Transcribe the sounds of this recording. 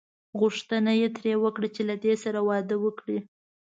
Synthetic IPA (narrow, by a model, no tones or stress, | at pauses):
ɣʊʂt̪ənajet̪ɾewəkɽat͡ʃelad̪esaɾawɑd̪əwəkɽi